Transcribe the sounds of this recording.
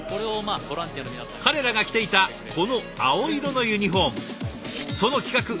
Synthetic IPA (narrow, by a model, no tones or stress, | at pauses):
koɾe̞omaːboɾãnt̪ijanominaakaɾe̞ɾaɡakʲi̥t̪e̞it̪a | kʰo̞no̞ | ao̞iɾo̞no̞jɯ̟ɲ̟iɦõ̞ŋ | so̞no̞kʲi̥kakɯ̟